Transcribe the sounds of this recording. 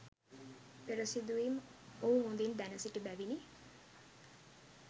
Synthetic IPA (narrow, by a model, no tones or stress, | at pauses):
peɾəsid̪uimoumund̪ind̪ænəsiʈibæʋini